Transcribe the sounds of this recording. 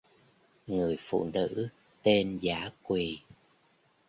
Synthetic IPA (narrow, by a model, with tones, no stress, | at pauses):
ŋɨ˨˩əjfṵ˧˨nɨ̰˧˥ | t̪e˧nzaː˧˦kwi˨˩